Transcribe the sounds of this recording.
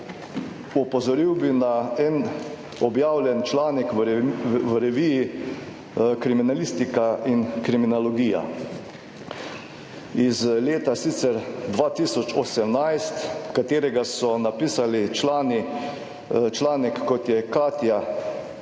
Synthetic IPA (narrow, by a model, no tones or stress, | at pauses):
ɔpɔzɔɾiwbinaɛn | ɔbjaːwljɛnt͡ʃlaːnɛkʋwɾɛʋiji | kɾiminalist̪ikaiŋkɾiminalɔɡiːja̰ | izleːt̪asit̪sɛɾd̪ʋaːt̪isɔt͡ʃɔsɛmnajst̪kat̪eːɾɛɡasɔnapiːsalit͡ʃlaːni | t͡ʃlaːnɛkːɔt̪jɛkaːt̪ja